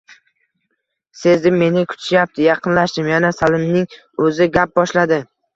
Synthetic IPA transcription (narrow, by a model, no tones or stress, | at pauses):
se̞zd̪ɪmːe̞nɪkʰʊ̥t͡ʃ̪ʰɪʃjap̚t̪ʰɪjɑqʰɨnlaʃd̪ɪmjanasalɪmnɪŋ | ɵzɪɡʲap̚bɒʃlad̪ɪ